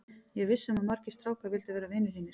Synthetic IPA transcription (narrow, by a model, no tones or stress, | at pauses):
jɛɣvɪsːɛmamaɾ̥cɪ̥st̪ɾaːwkavɪlt̪avɛːɾavɪːnɪθinːɪɾ